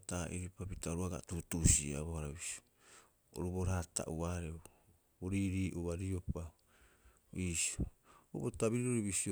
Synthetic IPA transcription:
taʔiɾipapitaoɾuaɡa̰tutusia̰βohaɾaβisi̥o | o̰ɾubo̞ɾaːta̰ʔuaɾeu | boɾiːɾiːʔuβaɾio̞pa | iːsooubotaβiɾiɾoɾiβisio

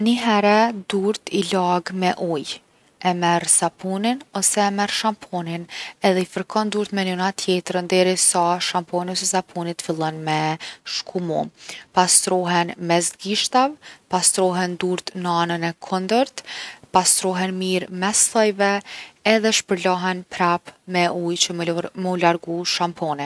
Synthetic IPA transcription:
niɦɛɾɛd̪uɾt̪ilaɡmɛʔɔj | ɛmɛɾsapuninɔsɛːmɛɾʃampʰɔninɛðɛifəɾkʰɔnd̪uɾt̪mɛnynat̪ʰjɛt̪ɾənd̪ɛɾisaʃampɔniɔsɛsapʰunit̪filˠɔnmɛʃkʰumṵpast̪ɾɔɦɛnmɛzɡiʃt̪avpast̪ɾɔɦɛnd̪uɾt̪nəanənɛkʰɔnd̪əɾt̪past̪ɾɔɦɛnmiɾmɛsθɔjvɛɛðɛʃpəɾlaɦɛnpɾapmɛujt͡ɕəməlaɾɡuʃampʰɔni

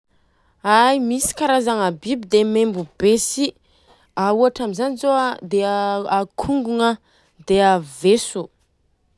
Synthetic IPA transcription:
ajmisi̥kaɾazaŋabibid̪emembubesi | auaʈ͡ʂamizanizoad̪eakʰuŋɡuŋə | d̪eavesu

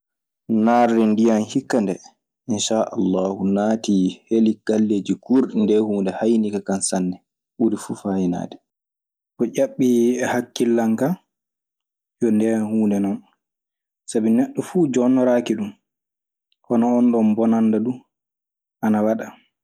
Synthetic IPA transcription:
naɾːindijanhikːandɛ | ʔinʃaʔa̰lːahunaːtihelikalːeːd͡ʒikuɾɗindɛhuːndɛhajnikakansanːdɛ | ʔuɾifuːfajina̰ːdɛ | kɔʔʲaɓːiɛhakːilːaŋka | jɔndɛhuːndɛnɔn | sabinɛɗːɔfuːd͡ʒɔnːɔɾakiɗum | ʔɔnɔːnɗɔnbɔnandaɗu | ʔanawaɗa

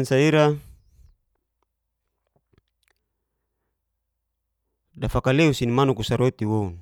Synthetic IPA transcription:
nsaiɾa | dafakaleusinimanukusaɾot̪iwoun

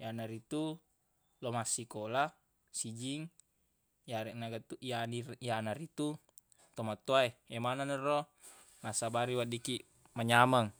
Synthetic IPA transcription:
janaɾit̪u | lomasikola | sid͡ʒiŋ | jaɾɛnaɡat̪uianiianaɾit̪u | t̪omat̪oaeemananɛro | nasabaɾiwadiki | maɲamaŋ

